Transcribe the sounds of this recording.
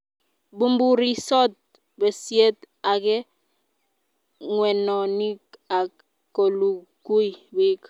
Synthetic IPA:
bu˦mbu˦ɾi˦sɔ˦t̚ | be˨sje˦t | a˨kɛ˦ | ŋwɛ˨nɔ˨ni˦ka˨ | kːo˨lu˨ | ku˦i˨bi˦k

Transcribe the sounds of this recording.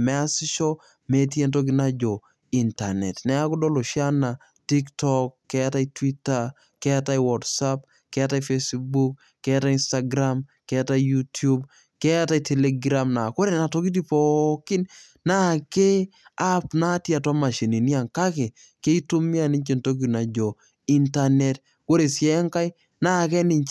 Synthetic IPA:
mɛ˦a˦sɪ˦ʃɔ˦ | me˦t̬je˦nt̬o˦k̬ɪ˦na˦d͡ʒɔ˨ | i˨nta̰˨nɛ̰˨tnɛ˦a˦kʊ˦dɔ˦lo˨ʃja˦na˨ | ti˦ktɔkːɛ˦ata˦itwi˦ta | kɛ˦ata˦iwɔtsap̚ | kɛ˦a˦ta˦ife˦sbuk̚ | kːɛ˦ata˦insta˦ɡɾamkɛ˦ata˦ijutju˦b | kɛ˦a˦ta˦jtʰɛ˨le˦ɡɾa˦mna˨ko˦ɾe˨na˨to˨˦ki˦t̬i˦pɔkɪ˦n | na˦ke˦a˦pna˦tja˨twa˦ma˨ʃe˨ni˨ni˦a˨ŋka˦ke˨ | ke˦i˦tu˦mi˦a˦˨ni˦ɲt͡ʃe˨nto˦k̬i˨na˨d͡ʒɔ˨ | i˦nta˨nɛ˨t | ko˦ɾe˨sjɛ˦ŋka˦j | na˦˨kɛ˦ni˨ɲt͡ʃ

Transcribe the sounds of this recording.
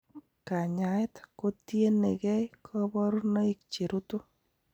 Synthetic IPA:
ka˨ɲa˨jtko˦tje˦ne˨kɛ˦kʰo˦bɔ˦ɾno˦i˦k̚t͡ʃe˨ɾu˦tu˦

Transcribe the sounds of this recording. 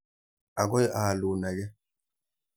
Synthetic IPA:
a˨ɡɔ˦jʔaː˨lu˨na˨ɡɛ˦

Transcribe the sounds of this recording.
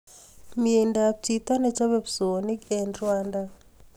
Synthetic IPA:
mie˨nda˨t͡ʃi˨t̪a˦nɛ˦t͡ʃa˦βɛ˦pso˨ni˦ke˨nɾwa˦nda˦

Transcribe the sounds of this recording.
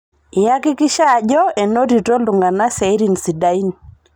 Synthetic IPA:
ɪ˨ja˦kɪ˦kɪ˦ʃa˦˨d͡ʒɔ˦ɛ˨no˦ɾi˨to˦lʊ˨ŋɡa˨na˦sɛ˨˦ɾi˨n˨si˨da˨i˦n

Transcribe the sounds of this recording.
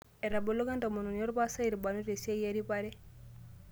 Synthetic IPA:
e˨ɾa˨bo˨lo˦ɡa˦nto˨mo˨nu˨no˦ɾpa˦sa˦i˨ɾi˨ba˨no˦ɾe˨si˦e˦je˦ɾi˦pa˦ɾe˦

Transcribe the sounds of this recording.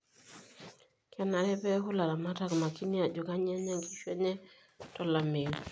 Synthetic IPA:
kʰɛ˦na˨ɾɛ˦pɛ˦ɦʊ˦la˨ɾa˨ma˦ta˦kma˨ki˦nɪ˦a˨d͡ʒo˨ka˦ɲa˦ɲa˦ŋki˦ʃwɛ˦ɲɛ˦ | tɔ˦la˨me˨ŋ

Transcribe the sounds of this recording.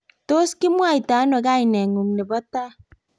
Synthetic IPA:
to˦skɪ˦mwa˦˨jta˨˦nwɔ˨˧ɡa˦jnɛ˨ŋu˨ŋnɪ˨bɔ˦ta˦

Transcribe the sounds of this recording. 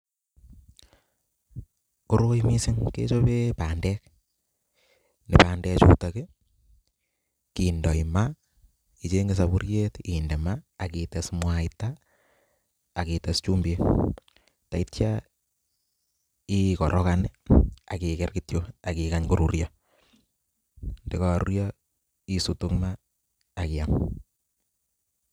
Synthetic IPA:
ku˦ɾo˦jmi˦sɪ˦ŋkḛ˦t͡ʃo˦bepa˨ndɛk | ne˨paː˨ndɛ˦t͡ʃṵ˦take | ki˨ndɔ˨ima | i˨t͡ʃeŋɡes̬abu˦ɾjetinde˨maː˨kite˨smwaita˨ | kite˨st͡ʃu˦mbe˦ | ta˨i˦tt͡ʃa | i˦kɔ˨ɾʔɔkana˨ki˨kɛ˦rkitjoa˨kikaɲko˦ɾu˨ɾjɔ | nde˦ka˦˨ɾṵɾjɔ | i˨su˨to˦kmaː˨ | kia˨m

